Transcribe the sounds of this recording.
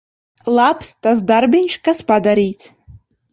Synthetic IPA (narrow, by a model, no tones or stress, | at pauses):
lˠapʰstazdarbenʲʃkaspad̪aɾijt͡sʰʼ